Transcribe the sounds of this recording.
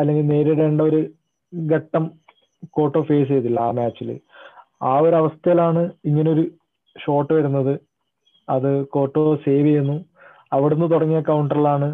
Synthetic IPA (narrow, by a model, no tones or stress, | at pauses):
ɐlːe̞ŋɡilne̞ːɾiɽeɳɖɐoɾu | ɡeʈːɐm | ko̞ːʈːo̞ːfe̞ːs̬ejt̪ilːɐa̰ːmaːt͡ɕːilɨ̰ | aːo̞ɾɐʋɐst̪ɐjilaːɳɨiŋːɐneo̞ɾu | ɕo̞ːʈːɨʋɐɾunːɐðɨ | ɐðɨko̞ːʈːo̞ːseːʋiɐjunːu | ɐʋiɽenːɨt̪uɽɐŋːijɐkɐwɳɖɐrilaːɳɨ